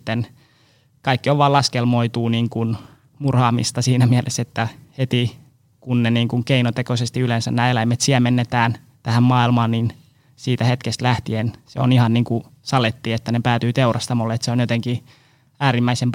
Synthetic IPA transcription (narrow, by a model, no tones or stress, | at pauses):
t̪ːen | kɑikːioʋʋɑːlɑskelmoit̪uːniːŋkun | murhɑːmḭst̪ɑsiːnæmiælʔḛset̪ːæhet̪i | kunneniːŋkuŋkeinot̪ekosest̪iylensænnæːelæimet̪siæmenːet̪æːn | t̪æhæmmɑːilmɑːnnin | siːt̪æhet̪kest̪læht̪iensḛo̰nihɑnniːŋku | sɑlet̪ːiːet̪ːænepæːt̪yːt̪eurʔɑst̪ɑmolːeet̪seonjot̪eŋki | æːɾimːæisemp